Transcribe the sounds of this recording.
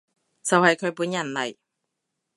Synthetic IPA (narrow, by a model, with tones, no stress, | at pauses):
t͡sɐ˨whɐ˨jkʰɵ˨˧ɥpuː˨˥njɐ˨˩nlɐ˨˩j